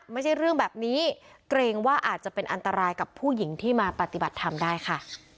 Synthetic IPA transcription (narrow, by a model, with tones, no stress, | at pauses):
ma˥˩jt͡ɕʰa˥˩jɾɯ˥˩əŋbɛː˨˩p̚niː˦˥ | kɾeː˧ŋwaː˥˩ʔaː˨˩t̪̚t͡ɕa˨˩pe˧nʔa˧nt̪a˧ɾaː˧jka˨˩pʰuː˥˩ji˨˩˦ŋt̪ʰiː˥˩maː˧pa˨˩t̪i˨˩ba˨˩t̪ʰːa˧mdaː˥˩jkʰa˥˩